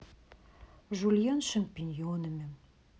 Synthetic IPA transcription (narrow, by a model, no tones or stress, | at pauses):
ʒulʲjɑnʃə̆mpinʲjonə̆mɘ̆m